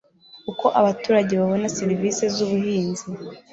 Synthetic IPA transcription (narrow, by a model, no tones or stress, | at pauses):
kuko̞ʔaβatuːɾaɟe̞βaβo̞naseɾiviːse̞zuβuhiːnzi